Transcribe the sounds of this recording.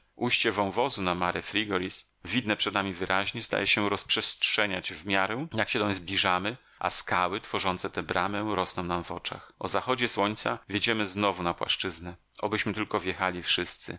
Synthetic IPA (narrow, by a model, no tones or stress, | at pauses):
ʔujɕt͡ɕɛvɔ̃w̃vɔzunamaɾɛfɾʲiɡɔɾis | vʲid̪nɛpʂɛd̪̚namʲivɘɾʔaʑɲɛzd̪a̰jɛɕɛɾɔspʂɛstʂɛɲad͡ʑvmʲjaɾɛjakɕɛt̪ɔ̃w̃zblʲiʐamɘ | ʔa̰skawɘt̪fɔʐɔnt̪sɛt̪ɛbɾamɛɾɔsnɔ̃w̃namvɔt͡ʂa̰xʔɔzaxɔd͡ʑɛswɔɲt̪savʲjed͡ʑɛmɘznɔvunapwa̰ʂt͡ʂɘznɛ | ʔɔbɘɕmɘt̪ɘlkɔvjɛxalʲifʂɘst̪sɘ̰